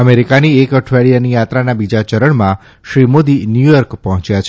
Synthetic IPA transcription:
əmeɾikaniekəʈʰʋeɭijanijat̪ɾanabid͡ʒat͡ʃəɾəɳmã | ʃɾimod̪injujɔɾkpəɦɔ̃t͡ʃjat͡ʃʰe

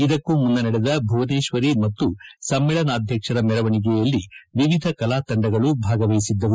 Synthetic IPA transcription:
id̪ɐkːumund̪ɐnɐɽɛd̪ɐbʱɐʋɐneːʃʋɐɾimɐt̪ːusɐmːɛɭɐnaːd̪ʱjɐkʂɐɾɐmɛɾɐʋɐɳik̬ɛjɐlːiʋiʋid̪ʱɐkɐlaːt̪ɐɳɖɐɡɐɭubʱaːɡɐʋɐjisid̪ːɐʋu

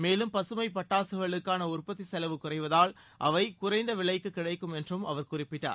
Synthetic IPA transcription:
meːlɯmpɐsɯmɐɪpɐʈːaːsɯɣɐɭɯkːaːnɐʊrpɐt̪ːisɛlɐʋɯkːʊrɐɪʋɐðaːl | ʔɐʋɐɪkʊrɐɪnd̪ɐʋɪɭɐɪkːɯkːɪɽɐɪkːɯmɛndrɯmɐʋɐɾkʊrɪpːɪʈːa̰ːɾ

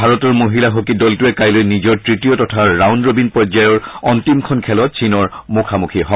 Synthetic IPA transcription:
bʱaɹɔtɔɹmoɦilaɦokidɔltuɛkajlojnizɔɹtɹitijɔtɔtʰaːawnɹobinpɔzajɔɹɔntimkʰɔnkʰɛlɔt̚sʰinɔɹmukʰamukʰiɦɔ

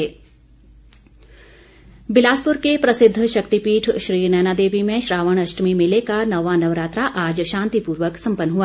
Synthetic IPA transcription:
e | bɪlaːspʊɾkepɾɐsɪd̪ʱːəʃɐkt̪ipiːʈʰʃɾiːnɛːnad̪eːʋimẽʃɾaːʋəɳ̃ɐʃʈmimɪlekanɐʋanɐʋɾaːt̪ɾaʔaːd͡ʒʃãːnt̪ipuːɾʋəksɐ̃mpənːɦua

